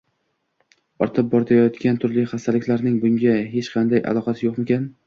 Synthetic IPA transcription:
ɒɾt̪ʰɪp̚bɒɾt̪ʰajɒt̪kʲant̪ʰʊɾlɪχast̪ʰalɪkʲlaɾnɪŋbʊŋɡʲaɦe̞t͡ʃqʰɑnd̪ajʔa̰lˠɒqʰɑsɪjoqmekʲan

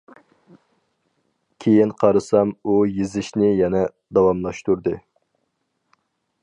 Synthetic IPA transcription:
kʲʰejinqʰɑɾɨsɑmujizɪʃnɪjɛnɛ | d̪ɑwɑmlˠɑʃt̪uɾd̪ɨ

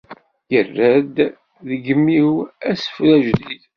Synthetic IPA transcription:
jərːæd̪ | ðəɡəmːiwæsə̥fɾæʒd̪id

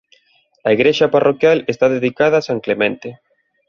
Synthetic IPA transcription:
ɐiɣɾeʃaparʔokjalest̪aðeðikaðaːsãŋklemẽnt̪e

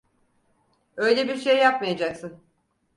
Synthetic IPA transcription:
ø̞jlʲebiɾʃe̞jːap̚majad͡ʒaksɯn

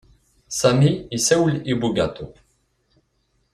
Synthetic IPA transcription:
samiisɛwlibuɡa̰t̪ʰo

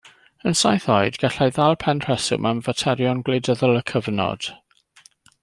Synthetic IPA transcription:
ənsajθɔɨdɡaɬajðalˠpʰɛnr̥ɛsʊ̰mʔanvətʰɛɾjɔnɡledəðəlˠəkʰəvnɔ̰d̥

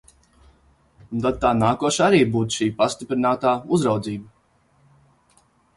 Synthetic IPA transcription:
unt̪ad̪̚t̪aːnaːkuɔʃaɾiːbuːt̪ʃiːpast̪ipɾinaːt̪aːuzɾawd̪ziːbə

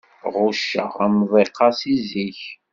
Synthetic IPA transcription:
ʁuʃːə̰ʁæmvˤeqʰːɑsiziç

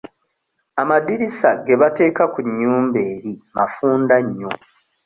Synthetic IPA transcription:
amadiɾisaɡe̞βate̞ːkakuɲːuːmbe̞ːɾimafuːndaɲːo

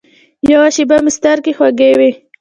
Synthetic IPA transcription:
jawaʃibamɪst̪aɾkexwaɡewe

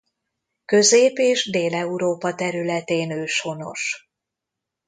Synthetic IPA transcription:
kø̞zeːpeːʒd̪eːlɛuɾoːpɒt̪ɛɾylɛt̪eːnøːʃho̞no̞̰ʃ

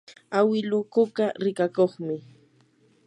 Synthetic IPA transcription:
awɪlʊkʊkaɾɪkakoχmɪ

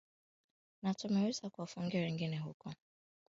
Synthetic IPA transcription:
natʊmeɾisakʷwɔfʊŋ̩ɡɪɾeŋ̩ɡineɦʊkɔ

